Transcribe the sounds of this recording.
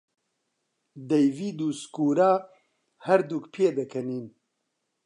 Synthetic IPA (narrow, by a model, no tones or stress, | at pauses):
d̪ɛjviːd̪uːskuːɾaː | hɛɾd̪ukpʰeːd̪ɐkʰɐniːn